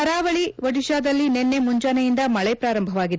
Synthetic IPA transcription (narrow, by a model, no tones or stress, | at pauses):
ɐɾaːʋɐɭiʋɐɽiʃaːd̪ɐlːinenːe̞muɲd͡ʒaːnɐjind̪ɐmɐɭɛpɾaːɾɐmbʱɐʋaːɡid̪e